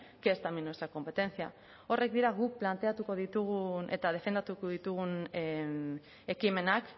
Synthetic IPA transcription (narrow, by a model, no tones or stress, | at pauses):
keezt̪aminwest̪ɾako̞mpe̞t̪e̞nsia̰ | o̞re̞k̚d̪iɾaɣuk̚plant̪e̞at̪uko̞ð̞it̪uɣunʔe̞̰t̪að̞e̞fe̞nd̪at̪ukoðit̪uɣ̞un | e̞kime̞nak